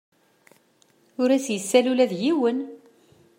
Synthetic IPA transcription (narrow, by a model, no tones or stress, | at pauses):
ʊɾæsjəsːælulæðjiwən